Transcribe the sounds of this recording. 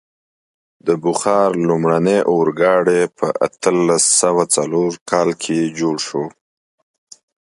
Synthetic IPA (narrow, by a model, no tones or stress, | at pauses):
d̪əbʊxɑɾlumɽaneʔoɾɡɑɽepʰəʔa̰t̪əlasawat͡saloɾkʰɑlkʰed͡ʒoɽʃo